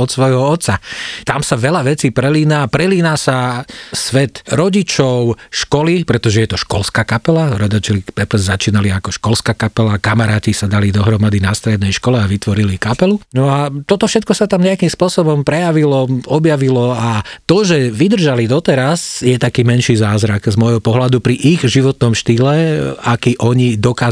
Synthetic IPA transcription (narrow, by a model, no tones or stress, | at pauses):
ɔt̪sʋɔjɦɔɔt̪sat̪amsaʋɛlaʋɛt͡siːpɾɛliːnaːpɾɛliːnaːsasʋɛt̪ɾɔɟit͡ʃɔʊʃkɔlipɾɛt̪ɔʒɛjɛt̪ɔʃkɔlskaːkapɛlaɾɔd̪ɔt͡ʃɛlipɛplzzat͡ʃiːnaliakɔʃkɔlskaːkapɛlakamaɾaːcisad̪alid̪ɔɦɾɔmad̪inast̪ɾɛd̪nɛjʃkɔlɛaʋit̪ʋɔɾilikapɛlunɔat̪ɔt̪ɔfʃɛt̪̚kɔsat̪amɲɛakimspʊɔsɔbɔmpɾɛjaʋilɔɔbjaʋilɔat̪ɔʒɛʋid̪r̩ʒalid̪ɔt̪ɛɾazjɛt̪akiːmɛnʃiːzaːzɾaɡzmɔjɦɔpɔɦlad̪upɾiʔiɣʒiʋɔt̪nɔmʃt̪iːlɛakiːʔɔɲid̪ɔkaː